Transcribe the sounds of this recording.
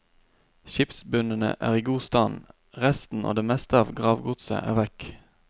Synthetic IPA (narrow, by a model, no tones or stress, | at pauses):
ʃɪpsbʉnənə̰ʔæ̰ːʁiːɡuːst̪ɑːn | ʁɛst̪n̩ʔo̰ːd̪eːmɛst̪əɑːʋɡʁɑːʋɡʊt̪sə̰ʔæ̰ːʁʋɛk